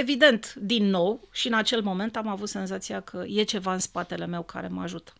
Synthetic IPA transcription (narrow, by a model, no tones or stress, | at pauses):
e̞vid̪e̞nt̪d̪inːo̞wʃiɨnat͡ʃe̞lmo̞me̞nt̪amavut̪se̞nzat̪sijakʰəje̞t͡ʃe̞vaɨnspat̪e̞le̞me̞wkʰa̰ɾe̞̰maʒut̪ə̥